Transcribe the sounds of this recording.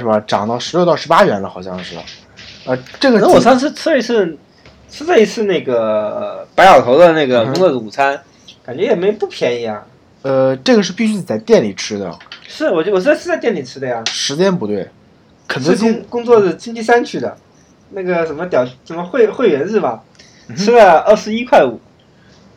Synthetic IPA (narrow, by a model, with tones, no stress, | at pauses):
ʂɻ̩˥˩bə˩ʈ͡ʂɑ˨˩ŋt̪ɑ˥˩ʊʂɻ̩˧˥ljt̪ɑ˥ʊʂɻpa˥ɥɛ˧˥nlə˧xɑ˨˩ʊɕjɑ˥˧ŋʂɻ̩˥˩ə̰˩ | ə˧ʈ͡ʂɤ˥˩ɡə˩na˥˨wɔ˨˥˩ʂɑ˥˧ŋʂ̬ɻ̩˥˧˩t͡sʰɹ̩˥˧i˧˥t͡sʰɹ̩˥˧ | t͡s̩ʰ˥˧t͡sa˥˩i˧˥t͡sʰɹ̩˥˧na˥˩ɪɡə˩pa˧˥ɪjɑ˨˩ʊt̪ʰo˧˥d̪ə˧na˥˩ɡə˩kʊ˥ŋt͡swɔ˥˩d̪ə˧˩u˨˩t͡sʰa˥n | ka˨˩nt͡ɕɥɛ˧˥jɛ˨˩me˧˥o˧˩pu˥˩pʰjɛ˧˥ni˧˥jɑ̰˥˩ŋ | ə˧ʈ͡ʂɤ˥˩ɡə˩ʂɻ̩˥˩pi˥˩ɕy˥˧˩t͡sa˥˧ɪt̪jɛ˥˩nli˨˩ʈ͡ʂʰɻ̩˥d̪ə̰˨ʂɻ̩˥˩wɔ˨˩˥wɔ˨˩˥ʂ̩˥t͡st̪jɛ˥˩nli˨˩ʈ͡ʂʰɻ̩˥d̪ə˧ja˨˩ʂɻ̩˧˥t͡ɕjɛ˥npu˧˥t̪we˥˩ɪ | kʰə˨˩t͡sʰə˥kʊ˥ŋkʊ˥ŋt͡swɔ˥˧ʂ̩˥˩t͡ɕi˥ŋt͡ɕi˥˧sa˥nt͡ɕʰy˥˩d̪ə̰˩ | na˥˩ɡə˩ʂə˧˥nmə˧t̪jɑ˨˩ʊ˥˩ʂə˧˩mə˧xwe˥˩ɪxwe˥˩ɪɥɛ˧˥nɻ̩˥˩mɐ˩ | ʈ͡ʂʰɻ̩˥lə˧ə˥˩ʂɻ̩˧˥i˥kʰwa˥˩ɪṵ˨˩˦